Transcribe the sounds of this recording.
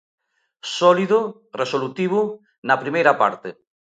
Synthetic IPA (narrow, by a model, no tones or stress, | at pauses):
sɔliðʊ | resolut̪iβ̞ʊ | nɐpɾimejɾɐpaɾt̪e